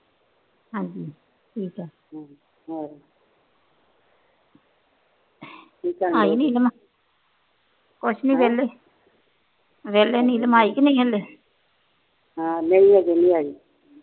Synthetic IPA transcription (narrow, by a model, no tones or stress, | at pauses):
ɦãːɲd͡ʒiː | ʈʰiːkɛː | iːkəaːiːnĩːlm | kʊʃʰnĩːʋɛːlːeː | ʋɛːleːnĩːləmaːiːkɪnĩːɦɛleː | ɦãːneĩaːɡenĩːaːiː